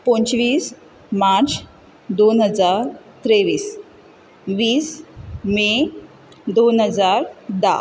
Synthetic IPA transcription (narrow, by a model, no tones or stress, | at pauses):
pɔ̃nt͡ɕʋiːs | maɾt͡s | d̪onɦəd͡zaɾt̪ɾeʋiːs | ʋiːsme | d̪onɦəd͡zaɾd̪a̰